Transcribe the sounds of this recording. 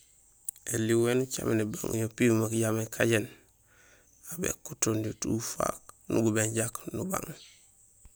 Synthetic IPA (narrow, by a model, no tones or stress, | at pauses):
elːiwenut͡ʃamenebaŋṵɲopimakɟamekʰaɟen | abḛkːutondutufa̰knṵɡubeɲɟaknuba̰ŋ